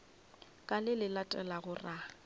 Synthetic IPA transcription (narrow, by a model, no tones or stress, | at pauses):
kʼalɪlɪlatʼɛlaɣʊra